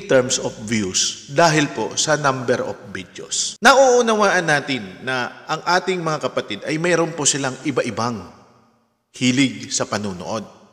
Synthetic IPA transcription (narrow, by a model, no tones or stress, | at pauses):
t̪ɛɹmsofvjusd̪aːɦɪlpo̰sɐnambɛɾʔo̰fbid̪jo̰snɐʔuʔʊnɐwaːʔɐnːaːt̪ɪnːɐʔɐŋʔaːt̪ɪŋmɐŋakɐpɐt̪id̪ɐjmɛːɾonposɪlaŋʔɪbaʔɪbaŋ | hiːlɪɡ̚sɐpɐnuːno̰ʔo̞d̪̚